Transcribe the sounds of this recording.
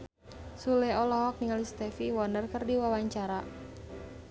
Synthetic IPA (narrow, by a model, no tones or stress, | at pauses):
sulɛɔlɔɦɔk̚niŋalist̪ɛfiwɔnərkərdiwawaɲt͡ʃaɾa